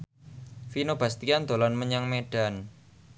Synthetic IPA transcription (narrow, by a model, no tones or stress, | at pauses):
finob̥ast̪iand̪̥o̤lanməɲaŋmeɖ̥a̤n